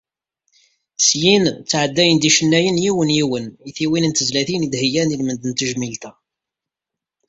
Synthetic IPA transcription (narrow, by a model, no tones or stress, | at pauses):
sjint͡sːʕəd̪ːæjənd̪iʃənːæjənjiwənjiwəniθiwinənt̪əzlæθinid̪həjænilmənd̪ənt̪əʒmilt̪æ